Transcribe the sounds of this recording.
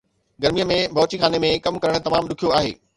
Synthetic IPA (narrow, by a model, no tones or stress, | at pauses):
ɡɐɾmijəmẽbʱɐːt͡ɕixaːnemẽkɐmkɐɾəɽ̃̆t̪ɐmaːmɗʊkʰijoaːɦḛː